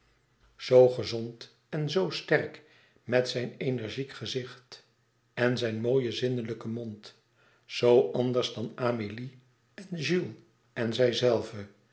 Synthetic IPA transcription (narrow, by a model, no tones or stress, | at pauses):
z̥owχəzont | ɛnzowstɛrk | mɛtsɛjnenɛɹʒikχəzɪχt | ɛnzɛjnmoːjəzɪndələkəmɔnt | z̥owʔɑndəɹzdɑnaːmili | ɛnʒylˠ | ɛnzɛjzɛlˠvə